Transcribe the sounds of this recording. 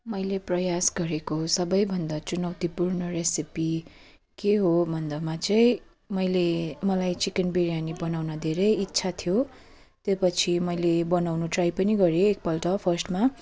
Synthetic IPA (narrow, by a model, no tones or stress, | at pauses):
mʌjleprʌjasɡʌɾekosʌbʌjbʱʌnd̪at͡sunʌwt̪ipurnʌresipi | keɦobʱʌnd̪amat͡sʌĩ | mʌjlemʌlajt͡sikenbiɾijanibʌnawnʌd̪ʱeɾʌjitːsʰat̪ʰijo | t̪jopʌt͡sʰimʌjlebʌnawnuʈrajpʌniɡʌɾeek̚pʌlʈʌpʰʌrsʈma